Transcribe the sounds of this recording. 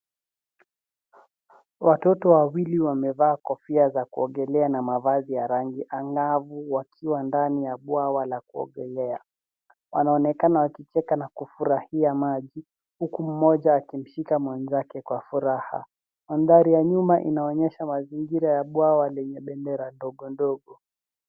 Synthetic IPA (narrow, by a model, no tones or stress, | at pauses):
watɔtɔwawiliwamɛvaːkɔfiazakuɔŋɡɛlɛanamavazijaɾaŋɡiʔaŋɡavuwakʰiwandanijaɓuawalakuɔ̰ɠɛlɛa | wanaɔnɛkanawakit͡ʃɛkanakufuɾahiamaʄi | hukum̩mɔʄaːkim̩ʃikamwɛnzakɛkwafuɾaha̰ | manðaɾijaɲumaʔḭnaɔɲɛʃamaziŋɡiɾajaɓwawalɛɲɛɓɛndɛɾandɔɠɔndɔɠɔ